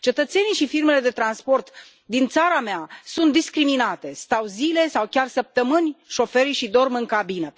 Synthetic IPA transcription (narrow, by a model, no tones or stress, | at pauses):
t͡ʃe̞t̪ət̪se̞nijʃifirme̞le̞d̪e̞t̪ɾanspo̞rt̪ | d̪int̪saɾameasunt̪d̪iskɾiminat̪e̞st̪awzile̞sawkʲarsəp̚t̪əmɨnʲʃo̞fe̞ɾiʃid̪o̞rmɨŋkabinə